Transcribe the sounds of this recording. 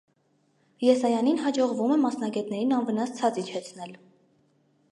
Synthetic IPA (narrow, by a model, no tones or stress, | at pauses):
jɛsɑjɑninɦɑd͡ʒɔʁvumɛmɑsnɑɡɛt̪nɛɾinɑnvənɑst͡sʰɑt͡sit͡ʃʰɛt͡sʰn̪ɛl